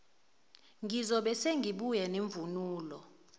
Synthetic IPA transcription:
ŋizɔɓɛseŋɡʱiɓujɛneɱvunuːlɔ

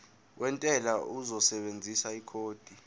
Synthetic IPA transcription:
wʔɛntʼɛlauzɔsɛɓend͡zʱisaikʰoːd̥ʱi

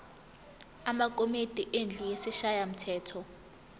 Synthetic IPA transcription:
amak̬ʼomid̥ʼʱiʔend͡ɮʱujesiʃajam̩tʰɛːtʰɔ

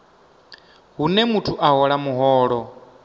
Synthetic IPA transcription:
ɦunɛmutʰuʔaɦɔɺamuɦɔːɺɔ

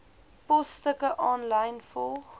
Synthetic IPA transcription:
pɔstəkəʔɔnlɐjnfɔlˠχ

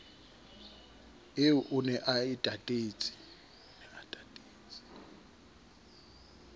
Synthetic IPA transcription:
euʔunɛʔaitʼatʼeːt͡sʼi̥ | nɛatʼatʼeːt͡sʼi̥

